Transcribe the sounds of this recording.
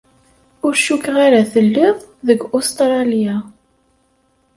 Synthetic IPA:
ʊɾʃukʁaɾaθəlːɪðˤðəɡʊst̪ɾˤɑlja

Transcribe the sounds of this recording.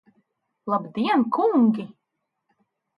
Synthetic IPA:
lˠabd̪iɛnkʰuŋɡʲi

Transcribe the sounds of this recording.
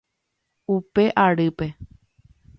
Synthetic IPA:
upe̞ʔaɾɨpe̞

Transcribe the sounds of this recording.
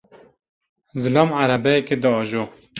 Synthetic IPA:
zɨlɑːmʕaɾæbɛjɛked̪ɨɑːʒo

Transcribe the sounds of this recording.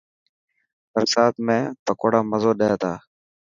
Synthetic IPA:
pəɾsaːt̪mẽːt̪əkoːɽaːməzoːɗeeːt̪ʰaː

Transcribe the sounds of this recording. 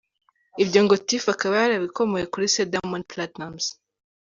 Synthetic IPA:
ibɟoŋɡo̞tifakaβajaɾaβiko̞mojekuɾisedamonplatnamz̥

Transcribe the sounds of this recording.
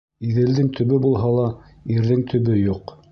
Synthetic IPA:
iðɘ̆ld̪ɘŋt̪ʰɵ̆βɘbulˠɦɑlˠɑ | iɾðɘŋt̪ʰɵ̆βɘjuq

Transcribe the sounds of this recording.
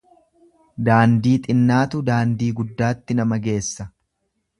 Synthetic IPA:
d̪aːnd̪iːt̪ʼɪnːaːt̪ʊd̪aːnd̪iːɡʊd̪ːaːt̪ːɪnɐmɐɡe̞ːsːɐ

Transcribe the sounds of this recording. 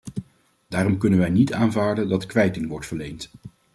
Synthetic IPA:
d̥aːrɔmkɵnənʋɛjnitaːnvaːɹdəndɑtkʋɛjtɪŋʋɔɹtfəɹlejnt

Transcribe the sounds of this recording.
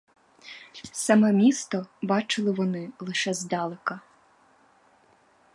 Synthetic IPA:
sɑmɛmʲist̪ɔbɑt͡ʃɪlˠɪʋɔnɪlˠɪʃɛzd̪ɑlˠɪkɐ

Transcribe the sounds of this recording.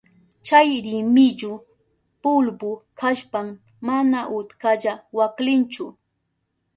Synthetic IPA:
t͡ʃajɾɪmɪʎʊ | pʊlbʊkaʃpamː | anaʔʊt̪kaʎawaklɪnt͡ʃʊ

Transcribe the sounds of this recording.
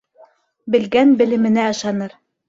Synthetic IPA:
bɘ̆lɡænbɘ̆lɘ̆mɘ̆næɑ̆ʃɑnɤɾ

